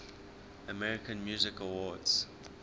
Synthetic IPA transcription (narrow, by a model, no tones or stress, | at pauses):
əmɛɹɪkə̃nmjuːzɪkəwɔdz̥